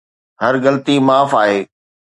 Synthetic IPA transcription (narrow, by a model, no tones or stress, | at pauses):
ɦɐɾɣɐlt̪imaːfaːɦeː